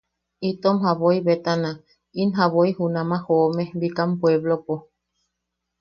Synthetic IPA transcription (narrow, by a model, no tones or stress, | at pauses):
it̪omɦaβoiβet̪ana | inɦaβoihunamahomebikampweβlopo